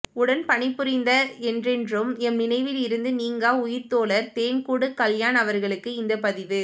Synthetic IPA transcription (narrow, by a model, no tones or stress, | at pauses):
ʊɽɐnpɐɳɪpːɯɾɪnd̪ɐɛndrɛndrɯmɛmːɪnɐɪʋɪlɪɾɯnd̪ɯniːŋɡaːʊjɪɾt̪oːɭɐɾt̪eːnkuːɽɯkɐljaːnɐʋɐɾɣɐɭɯkːɯɪnd̪ɐpɐðɪʋɯ